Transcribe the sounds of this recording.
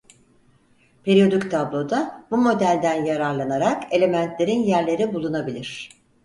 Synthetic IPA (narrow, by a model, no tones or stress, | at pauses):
pʰe̞ɾio̞d̪ict̪ʰablˠo̞d̪abumo̞d̪ælʲd̪ænjaɾaɾlˠanaɾake̞lʲe̞mænt̪ʰlʲe̞ɾinjæɾlʲe̞ɾibulˠunabilʲiɾ̥